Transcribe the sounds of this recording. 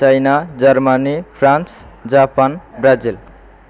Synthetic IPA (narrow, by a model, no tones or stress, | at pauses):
t͡ʃajnad͡ʒʌɾmanipʰɾans | d͡ʒapanbɾad͡zil